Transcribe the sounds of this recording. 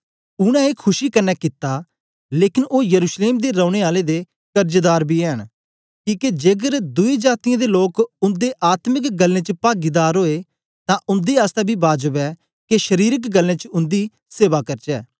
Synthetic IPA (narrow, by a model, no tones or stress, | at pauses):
ʊɽ̃ɛ̃ːeːkʰʊʃiːkənːɛːkɪt̪ːaː | leːkɪnoːjəɾuːʃleːmd̪eːɾə̃ːʊɽ̃eːaːleːd̪eː | kəɾd͡ʒd̪aːɾbiːɛːɦən | kiːked͡ʒeːɡəɾd̪ʊiːd͡ʒaːt̪ijãːd̪eːloːkʊnd̪eːʔaːt̪məkɡəlːẽːt͡ʃəpaːɡiːd̪aːɾɦoːeː | t̪ãʔʊnd̪iːaːst̪ɛːbʱiːbaːd͡ʒəbɛː | keʃəɾiːɾəkɡəlːẽːt͡ʃəʊ̃nd̪iː | seːʋaːkəɾt͡ʃɛː